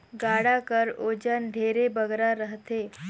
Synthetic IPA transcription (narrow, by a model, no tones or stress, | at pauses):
ɡaɽakəɾod͡ʑənɖʱeɾebəɡɾaɾəɦt̪e